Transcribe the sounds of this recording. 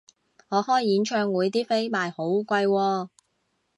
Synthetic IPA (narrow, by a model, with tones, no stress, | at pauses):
ŋɔː˨˧hɔː˥jːiː˨˥nt͡ʃʰœː˧ŋwuː˨˧jt̪iː˥fe˥jmaː˨jho˨˥wkʷɐ˧jwɔː˧